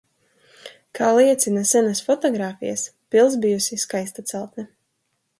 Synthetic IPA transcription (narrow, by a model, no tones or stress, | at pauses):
kʰaːlˠiɛt̪sʲinasɛnasfɔt̪ɔɡɾaːfḭja̰spilˠs̬bijusiskajst̪at̪sɛlˠt̪nɛ